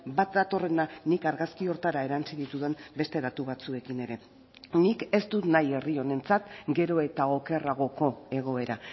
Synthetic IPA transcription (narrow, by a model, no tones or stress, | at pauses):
bat̪̚d̪at̪o̞re̞nanikaɾɣaskio̞ɾt̪aɾae̞ɾant͡siðit̪uðe̞mbe̞st̪e̞ðat̪uβat͡sue̞kine̞ɾe̞ | nike̞st̪ut̪naje̞rio̞ne̞nt͡sat̪ɡe̞ɾo̞e̞t̪ao̞ke̞raɣ̞o̞ko̞e̞ɣ̞o̞e̞ɾa